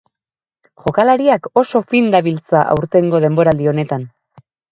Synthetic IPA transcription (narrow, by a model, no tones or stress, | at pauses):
ʝo̞kalaɾiako̞so̞find̪aβilt͡saʔa̰wɾt̪e̞ŋɡo̞ð̞e̞mbo̞ɾaːld̪io̞ne̞t̪an